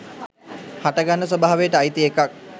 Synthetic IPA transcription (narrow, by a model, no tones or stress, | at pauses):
haʈəɡanːəsobaːaʋejəʈəajt̪iekak̚